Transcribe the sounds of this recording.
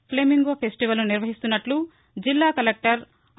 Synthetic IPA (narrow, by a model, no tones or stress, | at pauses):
pleːmiŋɡoːpʰesʈiʋɐlnuniɾʋɐɦist̪unːɐʈlu | d͡ʒilːaːkɐlek̚ʈɐɾ